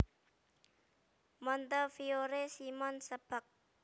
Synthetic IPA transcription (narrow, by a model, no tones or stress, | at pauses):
mɔnt̪əfioɾesimɔnsəb̥ak̚